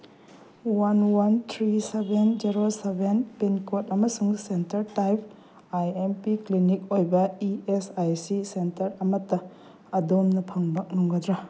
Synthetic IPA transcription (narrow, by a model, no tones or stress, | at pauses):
wanwant̪ʰɾisebʱend͡ʒiɾosebʱenpinkot̚ɐmɐsuŋsentɐɾtajpʰ | ajempiklinik̚ojbɐiesajsisentɐɾɐmɐtːɐː | domnɐpʰɐŋbɐk̚nuŋɡɐdɾa